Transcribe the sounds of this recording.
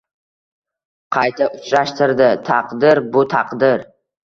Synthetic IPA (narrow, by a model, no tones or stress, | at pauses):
qʰɑjt̪ʰaʊt͡ʃʰɾaʃt̪ɪɾd̪ɪt̪ʰɑqd̪ɪɾbʊt̪ʰɑqd̪ɪɾ